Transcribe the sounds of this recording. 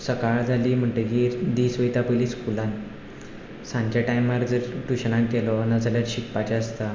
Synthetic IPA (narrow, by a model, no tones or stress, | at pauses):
səkaɭd͡zʱaliːm̤əɳʈ̪ejeɾd̪isʋəjt̪apəliskulãn | sãɲt͡ɕaʈajmaɾd͡zəɾʈuɕəɳãnkɛlɔnad͡zʱaljaɾɕikpat͡ɕaəst̪a